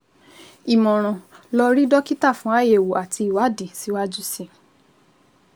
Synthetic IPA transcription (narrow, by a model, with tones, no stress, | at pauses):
i˨mɔ̃˨ɾ̃ɔ̃˨lɔ˧ɾi˦dɔ˦ki˦ta˦˨fũ˦a˦˨je˨wo˨a˨ti˧i˨wa˨˦di˨si˨˦wa˦d͡ʒu˦si˦˨